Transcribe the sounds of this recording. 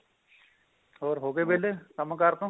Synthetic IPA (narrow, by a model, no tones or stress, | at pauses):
ɔːɾɦoːɡebelekəmkaɾt̪õ